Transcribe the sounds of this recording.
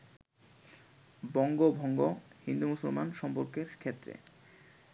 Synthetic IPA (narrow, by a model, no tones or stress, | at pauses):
bɔŋɡobʱɔŋɡohind̪umusolmanʃɔmpoɾkeɾkʰet̪ːɾḛ